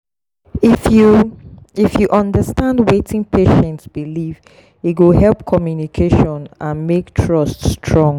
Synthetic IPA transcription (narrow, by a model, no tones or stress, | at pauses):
ifju | ifjuʔɔ̃ndəstãndwetʰɪ̃ŋpʰeʃɛ̃ntsb̥iliv | iɡohɛlˠpkʰɔmjunikʰeʃɔ̃nãnmektʰɹɔststʰɹɔ̃ŋ